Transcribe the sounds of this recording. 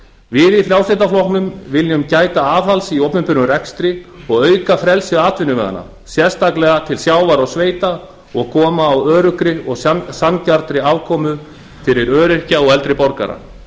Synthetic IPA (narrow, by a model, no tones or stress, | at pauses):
vɪðifɾjawslejt̪aflɔhknʏmvɪljʏmcaːjt̪aaːvhalsiɔwpnʏmpʏnːʏrɛkst̪ɾɪɔɣœːɥkafɾɛlsɪaːt̪vɪnʏvɛ̰ɣa̰nːa̰ | sjɛɾ̥st̪aklɛɣat̪ʰɪlsjaːwvaɾɔwsveːjt̪a | ɔɣkʰɔːmaːwœːɾʏkɾɪɔɣsancaɾt̪ɾɪavkʰɔːmʏ | fɪɾɪɾœːɾɪr̥caɔɣɛlt̪ɾɪpɔɾka̰ɾa̰